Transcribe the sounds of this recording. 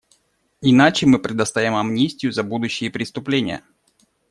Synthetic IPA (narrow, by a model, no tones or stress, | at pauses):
ɪnat͡ɕɪmɨpɾʲɪd̪ɐst̪avʲɪmɐmnʲisʲtʲɪjʊzɐbud̪ʊɕːɪjəpɾʲɪst̪ʊplʲenʲɪ̰jə̰